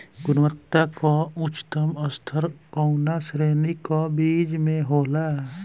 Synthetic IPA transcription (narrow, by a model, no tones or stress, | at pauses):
ɡʊnwət̪ːakoʊt͡ʃt̪əməst̪ʰəɾkoʊnasɾeːnikobiːd͡ʒmẽɦoːlaː